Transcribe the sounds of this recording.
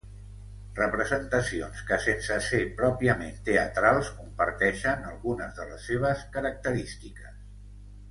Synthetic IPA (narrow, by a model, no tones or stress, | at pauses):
rəpɾəzənt̪əsionskəsensəsepɾɔpiəment̪eət̪ɾalˠskumpəɾt̪ɛʃənə̰lˠɣunəzðələ̰sːeβ̞əskəɾək̚t̪əɾist̪ikəs